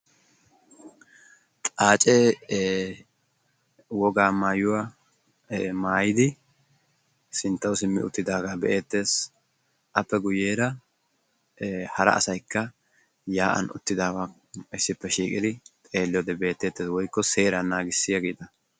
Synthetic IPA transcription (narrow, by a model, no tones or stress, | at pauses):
t̪ʼaːt͡ʃʼe | wɔɡaːmaːjʊwaː | maːjɪd̪ɪ | sɪnt̪ːɐwsɪmːɪ̰ʔʊ̰t̪ːɪd̪aːɡaːbɛʔeːt̪ːe̞ːs | ʔɐpːɛɡʊje̞ːɾɐ | hɐɾɐ̰ɐ̰sɐjkːɐ | jaːʔɐ̰nʊ̰t̪ːɪd̪aːɡa | ɪsːɪpːɛʃiːkʼɪd̪ɪt̪ʼe̞ːlːɪjɔd̪ɛbe̞ːt̪ːe̞ːt̪ːeːswɔjkːɔse̞ːɾɐnaːɡɪsːɪjɐɡiːt̪ɐ